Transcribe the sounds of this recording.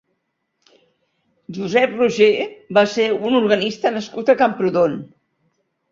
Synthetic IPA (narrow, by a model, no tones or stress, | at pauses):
ʒuzɛpruʒebaseunuɾɣənist̪ənəskut̪əkəmpɾuðon